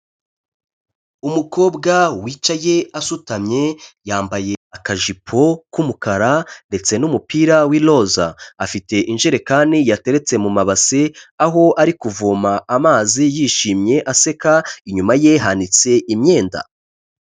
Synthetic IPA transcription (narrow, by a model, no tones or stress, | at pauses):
umuko̞ːbɡawiːt͡ʃaje̞asutamɲe̞jaːmbaje̞akaʒipʰo̞kumukaɾande̞t͡se̞numupiːɾawilo̞za̰ːfite̞ʔinʒeɾe̞kaːnijate̞ɾe̞t͡se̞mumaβaseaɦo̞ʔaɾikuvomaamaːzijiːʃiːmɲe̞ʔase̞kaiɲumaje̞ɦanit͡se̞ʔimɲe̞ːnda̰